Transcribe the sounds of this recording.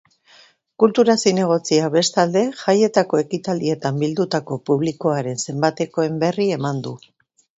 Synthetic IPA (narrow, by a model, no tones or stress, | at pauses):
kult̪uɾasine̞ɣ̞o̞t͡siaβe̞st̪ald̪e̞ʝaje̞t̪ako̞e̞kit̪ald̪ie̞t̪ambild̪ut̪ako̞puβliko̞aɾe̞nse̞mbat̪e̞ko̞e̞mbe̞rie̞mand̪u